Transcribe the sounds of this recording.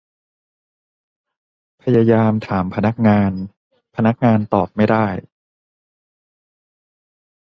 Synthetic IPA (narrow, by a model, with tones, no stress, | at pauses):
pʰa˧ja˧jaː˧mt̪ʰaː˩˦mpʰa˧na˦˥k̚ŋaː˧n | pʰa˧na˦˥k̚ŋaː˧nt̪ɔː˨˩p̚ma˥˩jdaː˥˩j